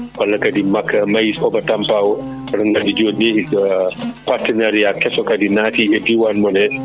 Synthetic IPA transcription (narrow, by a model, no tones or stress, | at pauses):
walːakadimakːamajisɔbatampawɔ | ɔɾɔŋɡadid͡ʒodnehi | paɾtɛnaɾijakɛsɔkadinaːtiɛdiwanmɔnɛ